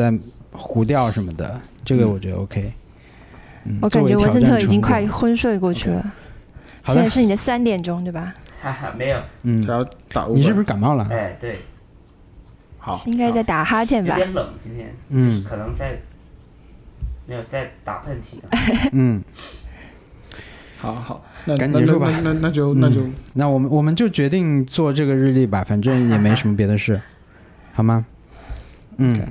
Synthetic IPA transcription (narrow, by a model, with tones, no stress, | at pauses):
t͡sa˥˩ɪxu˧˥t̪jɑ˥˩ʊʂə˧˥nmə˧d̪ə̰˩ʈ͡ʂɤ˥˩ɡə˩wɔ˨˩t͡ɕɥɛ˧˥d̪ə̰˧ʔo̰˧˥ʊkʰe˥ɪ | n̩˥˩wɔ˧˥ka˨˩n˥t͡ɕɛ˧˥wɔ˧˥st̪ʰɤ˥˩i˨˩t͡ɕi˥ŋkʰwa˥˩ɪxwə˥nʂwe˥˧ɪkwɔ˥˧t͡ɕʰy˥˩lə̰˩ | xɑ˨˩˥ʂɻ̩˥˩ni˨˩d̪ə˦sa˥nt̪jɛ˨˩nʈ͡ʂʊ˥ŋt̪we˥˩bɐ˩a˥˩˧me˧˥ɪjo˨˩ʊn̩ʰ˥˩˥jɑ˥ʊt̪a̰˨˩˥ni˨˩ʂɻ̩˥˩bʂɻ̩˥ka˨˩nmɑ˥˩lə˩e˥˩ɪt̪we˥˩ɪ | xɑ˨˩˦i˥ŋka˥ɪt͡sa˥˩ɪt̪a˨˩xa˥t͡ɕʰjɛ˥˩nba̰˨˧ɛ˥nlə˨˩˦ŋt͡ɕi˥nt̪ʰjɛ̰˥nnj̩o˥ʊ˩ʂɻ̩˥˩kʰɤ˨˩nɤ˧˥ŋt͡sa˥˩ɪ | me˧˥ɪjo˨˩ʊt͡sa˥˩ɪt̪a̰˨˩pʰə˥˩nt̪ʰi˨˩nə˦n̩˥˩ | xɑ˨˩˦xɑ˨˩˦a˥˧ka˧˥ni˨˥t͡ɕju˥˩ba˧˩na˥˧na˥˩t͡ɕjo˥˧ʊna˥˧˩t͡ɕjo˥˧ʊna˥˩wɔ˨˩mə˦nwɔ˨˩mə˦nt͡ɕjo˥˩ʊt͡ɕɥɛ˧˥t̪i˥˧ŋt͡swɔ˥˧ʈ͡ʂɤ˥˩ɡə˩ɻɻ̩˥˧li˥˩bɐ˩fa˨˩nʈ͡ʂə˥˩njɛ˨˩me˥jʂə˧˥mə˧p̬jɛ˧˥d̪ə˧ʂɻ̩˥˩ | xɑ˨˩ʊmɐ˧ | n̩̰˥˩˨